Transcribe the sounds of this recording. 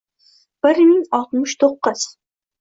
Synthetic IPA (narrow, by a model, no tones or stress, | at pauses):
b̥ɪɾmɪŋɒlˠt̪mʊʃt̪ʰoqːɨz̥